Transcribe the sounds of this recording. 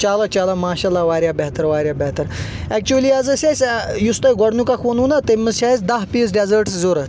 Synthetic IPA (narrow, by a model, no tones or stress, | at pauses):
t͡ʃaːlɐt͡ʃaːlɐmaːʃalːaʋaːɾʲjaːbeɦt̪ɐɾʋaːɾʲjaːbɐɦt̪ɐɾ | ɛk̚t͡ʃuɐliɐzɐsʲasʲjust̪ɐɡɔɽnukɐkʰʋɐnuːnɐt̪emːɐzʃaːjisd̪ɐɦpiːsɖʲezəɾʈszoːɾɐ